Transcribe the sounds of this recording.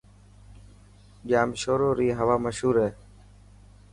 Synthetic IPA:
ʄaːmʃoːɾoːɾiːɦəʋaːməʃɦuːɾɦeː

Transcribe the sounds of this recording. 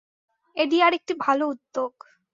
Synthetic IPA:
eɖiaɾek̚ʈibʱaloud̪ːoɡ

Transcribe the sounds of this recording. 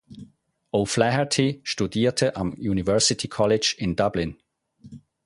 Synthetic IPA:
ʔoflɛhətʰiʃtudiːtʰəʔamjuːnivɜɹsɪtʰikʰɔlɪd͡ʒɪndʌblɪn

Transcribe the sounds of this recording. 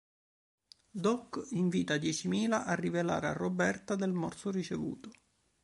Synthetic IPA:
d̪ɔkːiɱviːt̪ad̪jɛt͡ʃimiːlaʔarːivela̰ːɾea̰rːobɛrt̪ad̪elmɔrt̪sʊrit͡ʃevṵːt̪ʊ

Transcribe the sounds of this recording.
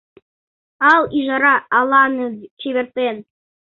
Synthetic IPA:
ɑlˠiʒɑɾɑːlˠɑnɤt͡ɕiβeɾt̪en

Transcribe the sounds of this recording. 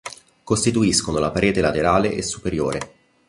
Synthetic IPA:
kost̪it̪uiskonolapaɾʔeːt̪elat̪eɾaːleʔesːupeɾjoːɾe

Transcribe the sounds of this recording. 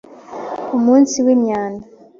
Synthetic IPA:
omuːnsiwemɲaːna

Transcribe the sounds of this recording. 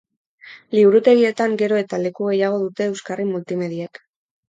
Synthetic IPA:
liβuɾut̪e̞ɣie̞t̪aŋɡe̞ɾo̞e̞t̪ale̞kuɣe̞jaɣ̞o̞ðut̪e̞ːwskarimult̪ime̞ðiak

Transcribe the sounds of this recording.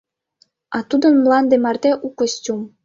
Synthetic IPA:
ɑt̪ud̪ə̆nmlɑnd̪emɑrd̪eʔukə̆stʲum

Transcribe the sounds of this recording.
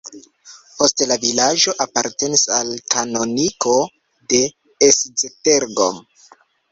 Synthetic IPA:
po̞stelavilad͡ʒo̞ʔapaɾte̞nisalkʰano̞nikʰo̞ | de̞ | esd͡zeteɾɡo̞̰m

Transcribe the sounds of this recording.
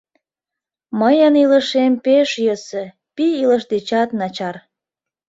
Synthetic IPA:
məjəniləʃempeʃjøsə | piiləʃd̪et͡ɕɑt̪nɑt͡ɕɑr

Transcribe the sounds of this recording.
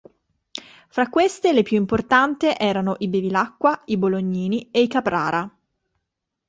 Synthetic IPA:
fɾakːwest̪elepjuimport̪ant̪eʔɛːɾanoʔibevilakːwaiboloɲːiːnieikapɾa̰ːɾa

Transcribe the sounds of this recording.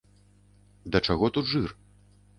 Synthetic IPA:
d̪ɐt͡ʂaɣɔt̪ud̪ʐɨr

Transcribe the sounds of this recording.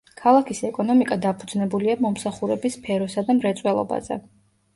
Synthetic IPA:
kʰalˠakʰisɛkʼɔnɔmikʼad̪apʰud̪znɛbuliamɔmsaχuɾɛbispʰɛɾɔsad̪amɾɛt̪sʼwɛlˠɔ̰ba̰zɛ̰

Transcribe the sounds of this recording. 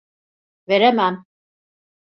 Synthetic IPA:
veɾemæm

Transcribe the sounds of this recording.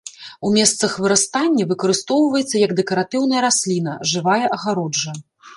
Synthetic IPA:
umʲɛst̪sɐxvɨɾast̪anʲːɐvɨkɐɾɨst̪ɔwvɐjɛt̪sːɐjɐɡd̪ɛkɐɾat̪ɨwn̪ɐjɐɾasʲlʲinɐʐɨvajɐʔɐɣaɾɔd͡ʐɐ

